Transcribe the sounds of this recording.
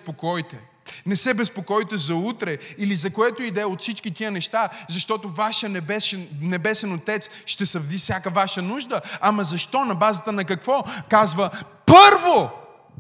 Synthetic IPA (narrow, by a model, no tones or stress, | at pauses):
pokɔjt̪ɛ | nɛsɛbɛspokɔjt̪ɛzɐut̪ɾɛilizɐkoɛt̪oid̪ɛot̪fsit͡ʃkit̪iənɛʃt̪azɐʃt̪ɔt̪ovaʃəɛbɛʃnɛbɛsɛnot̪ɛt̪sʃt̪ɛsɐvd̪ifsʲjakəvaʃənuʒd̪əɐmɐzɐʃt̪ɔnɐbazət̪ənɐkɐkvɔkazvəpɤɾvo